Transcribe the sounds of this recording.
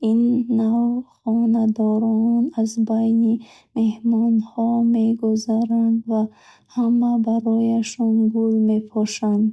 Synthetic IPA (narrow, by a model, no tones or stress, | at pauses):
inːavχɔnad̪ɔɾɔnazbajni | me̞hmɔnhɔme̞ɡuzaɾand̪va | hamabaɾɔjaʃɔnbulme̞pʰɔʃand̪